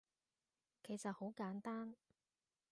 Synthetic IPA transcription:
kʰe˨˩jsɐ˨t̚ho˨˥wkaː˨˥nt̪aː˥n

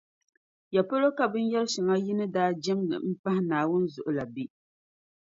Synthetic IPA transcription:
ja˨po˦lo˦ka˨bɨ˦n˦jɛ˦lʃɪ˨ŋa˦ji˦nɨ˦daː˦d͡ʒɛ˦mnɨ̰˨m̩˦pa˦hɪ˦naː˨wʊ˦n˦zʊ˨ʔʊ˨la˨bi˦

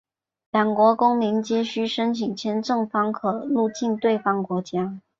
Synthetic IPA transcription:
ljɑ˨˩ŋkwɔ˧˥kʊ˥ŋmi˧˥ŋt͡ɕjɛ˥ɕy˥˩ʂə˥nt͡ɕʰi˨˩ŋt͡ɕʰjɛ˧˥nʈ͡ʂɤ˥˩ŋfɑ˥ŋkʰɤ˨˩˦lu˥˧t͡ɕi˥˧nt̪we˥˧ɪfɑ˥˩ŋkwɔ˧˥t͡ɕja˥

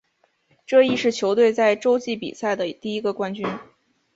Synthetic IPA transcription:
ʈ͡ʂɤ˥˧i˥˧ʂɻ̩˥˩t͡ɕʰjo˧˥ʊt̪we˥˧ɪt͡sa˥˩ɪʈ͡ʂo˥ʊt͡ɕi˥˩pḭ˨˩sa˥˩ɪd̪ə˩t̪i˥˩i˧˥ɡə˧kwa˥nt͡ɕy˥n

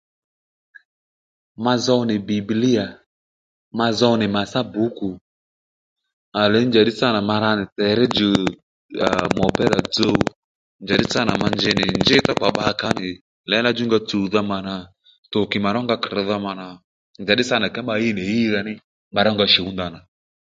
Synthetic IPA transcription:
ma˧zɔ˧˦nɪ˨bi˨bli˦ja˨ | ma˧zɔ˧˦nɪ˨ma˨sa˦bu˨˦ku˨ | a˨lɛ˨˦nd͡ʒa˨ɗɪ˦t͡sa˦˨na˨ma˧ɾa˧nɪ˨tɛ˨˦ɾɛ˦d͡ʒə˨ | a˨mɔ˨pɛ˦la˨d͡zo˦ | nd͡ʒa˨ɗɪ˦t͡sa˦na˨ma˧nd͡ʒɪ˦nɪ˨nd͡ʒɪ˦tɔ˦k͡pa˨ɓa˨˧˦ka˦nɪ˨ | lɛ˨˦na˦d͡ʒu˦ŋɡa˧t͡su˨ða˧˦ma˨na˨ | tʊ˨kɪ˨ma˨ɾɔ˦ŋɡa˧kɾɪ˨˦ða˧ma˨na˨ | nd͡ʒa˨ɗɪ˦sa˦na˨kɛ˦mba˧ji˦˨nɪ˨ji˦ɾa˧nɪ˦ | mba˧ɾɔ˦ŋɡa˧ʃi˨u˦nda˨na˨

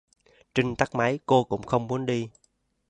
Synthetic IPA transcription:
t͡ɕï˧ŋ̟t̪a˦˥k̚ma˨˦jko˧kʊ̰˧˥ŋ͡mxə˧wŋ͡mmu˨˦ənɗi˧

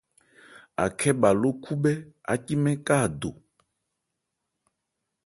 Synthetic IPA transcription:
a̰˨kʰɛ˦ba˨lo˦kʰu˦bɛ˦a̰˨ci˦mɛ̃˦ka˦˨d̪o̰˨

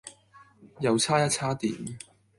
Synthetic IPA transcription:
jɐ˨˧wt͡sʰaː˥jɐ˥t̚t͡sʰaː˥t̪ḭː˨˥m

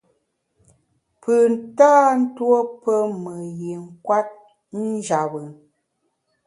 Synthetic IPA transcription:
pə˨n˨taː˦n̩˦two˦pə˦mə˨je˨ŋ̩˨kwa˦t̚ | n̩˦d͡ʒa˨bə˨

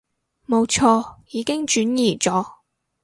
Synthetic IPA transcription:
mo˨˧wt͡ʃʰɔː˧jiː˨˧kɪ˥ŋt͡ʃyː˨˥njiː˨˩t͡ʃɔː˨˥

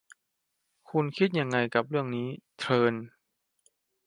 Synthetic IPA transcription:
kʰu˧nkʰi˦˥t̪̚ja˧ŋːa˧jka˨˩p̚ɾɯ˥˩əŋniː˦˥t̪ʰɤː˧n

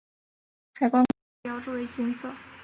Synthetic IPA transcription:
xa˨˧ɪkwa˥n | jɑ˧˥ʊʈ͡ʂu˥˩we˧˥ɪt͡ɕi˥nsɤ˥˩

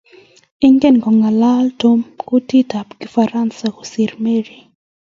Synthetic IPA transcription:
ɪ˦ŋɡɛ˦nɡɔ˨ŋa˨la˦lto˦mkʊ˦ti˦ta˨pki˦fa˨ɾa˦nsa˨ko˨si˨ɾme˦ɾi˨

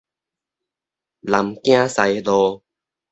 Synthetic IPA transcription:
la˨˦mkj̃ã˦sa˨˧˦jlɔ˧

